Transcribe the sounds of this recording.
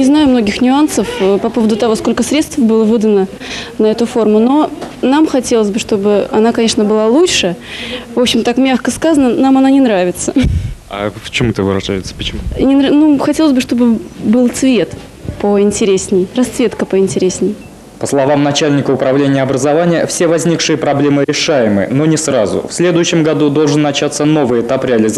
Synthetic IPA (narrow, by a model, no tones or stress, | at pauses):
nʲɪznajʊmno̞ɡʲɪxnʲʊansəfəpɐpo̞vəd̪ʊt̪ɐvo̞sko̞lʲkəsɾʲet̪st̪vbɨlˠəvɨd̪ənə | nɐɛt̪ʊfo̞rmʊno̞namxɐtʲelˠəzʲbɨʂt̪o̞bɨɐ̰nakɐnʲe̞ʂnəbɨlˠalˠut͡ɕʂɨvo̞pɕɪmt̪akmʲaxkəskazənənamɐnanʲɪnɾavʲɪt̪səa̰ft͡ɕɪmuɛt̪əvɨɾɐʐa̰jɪt̪sə̥pə̥t͡ɕɪmunʲɪnɾnuxɐtʲelˠəzʲbɨʂt̪o̞bɨbɨlˠt̪svʲe̞t̪ | pəɪnʲtʲɪɾʲesʲnʲɪjrɐst̪svʲe̞t̪kəpəɪnʲtʲɪɾʲesʲnʲɪj | pəslˠɐvamnɐt͡ɕælʲnʲɪkəʊpɾɐvlʲenʲɪjəɐbɾəzɐvanʲɪjəfsʲevɐzʲnʲikʂɨjəpɾɐblʲe̞mɨɾʲɪʂajɪmɨ̰no̞nʲɪsɾazʊ̰fsʲlʲe̞d̪ʊjʉɕːɪmɡɐd̪ud̪o̞lˠʐɨnːɐt͡ɕat̪səno̞vɨjɪt̪apɾʲɪɐlʲɪz